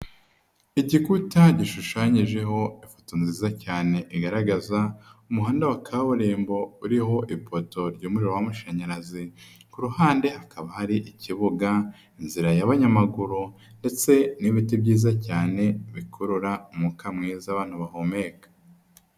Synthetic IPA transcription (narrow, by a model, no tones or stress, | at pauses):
iɟikutaɟiʃuʃaːɲiʒe̞ɦo̞ifo̥tonziːzacaːne̞ʔiɡaɾaɡazaumuɦaːndawakʰaβuɾeːmbo̞uɾiho̞ʔipoto̞ɾɟoːmuɾiɾowamuʃaɲaɾazikuɾuhaːnde̞hakʰaβahaɾiʔiciβuɡa | inziɾajaβaɲamaɡuɾu | nde̞t͡se̞niβitebɟiːzacaːne̞βikʰoɾuɾaumukamŋiːzaβaːn̥huβahomekḁ